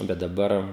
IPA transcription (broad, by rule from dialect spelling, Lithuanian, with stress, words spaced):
ˈbʲɛt dɐˈbɐr